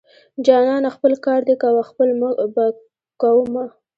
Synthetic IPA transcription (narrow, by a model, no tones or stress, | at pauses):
d͡ʒɑnɑnaxpəlkɑɾd̪ekawaxpəlməba | kawəma